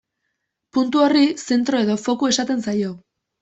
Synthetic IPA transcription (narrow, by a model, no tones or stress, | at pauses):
punt̪uorise̞nt̪ɾo̞e̞ðo̞fo̞kue̞sat̪e̞nsajo̞